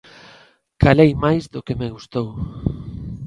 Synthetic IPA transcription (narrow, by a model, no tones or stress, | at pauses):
kalejmajzðokemeɣ̞ust̪ow